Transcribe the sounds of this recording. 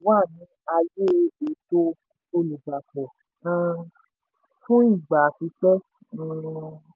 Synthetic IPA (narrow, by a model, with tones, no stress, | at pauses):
waː˦˨nĩ˨˦a˧je˦˧˦e˨˦to˦ | o˧lu˨ɡ͡ba˨k͡pɔ˨ | ã˧ | fũ˦i˦˨ɡ͡ba˨ki˧˦k͡pɛ̃˦˧